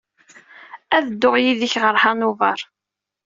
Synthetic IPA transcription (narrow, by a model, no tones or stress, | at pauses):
æðəd̪ːʊʁjiðiçʁəɾˤhɑnuvɑ̰ɾˤ